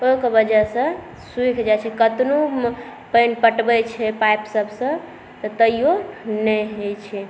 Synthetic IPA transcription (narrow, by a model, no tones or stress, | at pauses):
okəbəd͡ʒasə̃ | suikʰd͡ʒajt͡ʃʰɛkət̪nu | pənpəʈbɛt͡ʃʰɛpajpsəbʱsə̃ | t̪ɔt̪əijonɛɦet͡ʃʰɛ